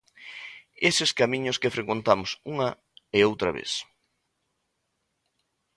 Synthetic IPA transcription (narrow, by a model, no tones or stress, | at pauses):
esɪskamĩɲʊskefɾekwent̪amʊsuŋɐ | eowt̪ɾɐ̰βḛs